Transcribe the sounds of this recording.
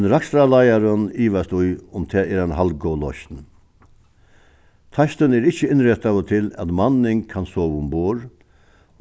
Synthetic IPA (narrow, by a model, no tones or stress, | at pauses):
nɾakst̪ɾalajaɾəniːʋast̪ʊjʊmt̪ʰɛːɛːɾanɦalɡɔwlɔʃt̪n | t̪ʰaʃt̪ənɛɾɪht͡ʃːəɪnɾɛt̪aʋət̪ʰɪlæ̰t̪manːɪŋkʰansoːʋʊmboːɾ